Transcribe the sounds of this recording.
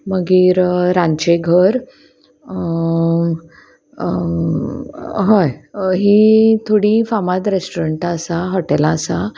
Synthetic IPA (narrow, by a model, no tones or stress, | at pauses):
məɡiːɾɾãɲt͡ɕeɡʱəɾ | ɦəjɦit̪ʰoɽifamad̪ɾesʈuɾəɳʈəsaɦɔʈɛlaːsa